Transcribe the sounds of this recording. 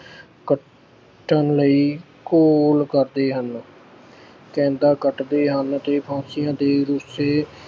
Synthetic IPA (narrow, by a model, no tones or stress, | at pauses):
kə | ʈːənləiː | koːlkəɾd̪eːɦən | kɛ̃ːnd̪aːkəʈd̪eːɦənt̪eːpʰãːsɪjãːd̪eːɾʊseː